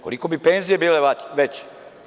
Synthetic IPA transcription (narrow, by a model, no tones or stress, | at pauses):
ko̰likobipenzijebiːleʋet͡ɕ